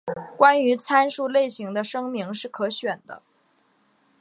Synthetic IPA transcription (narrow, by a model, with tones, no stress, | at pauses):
kwa˥ny˧˥t͡sʰa˥nʂu˥˧le˥˩ɪɕi˧˥ŋd̪ə˧ʂɤ˥ŋmi˧˥ŋʂɻ̩˥˩kʰɤ˧˥ɕɥɛ˨˩nd̪ə̰˦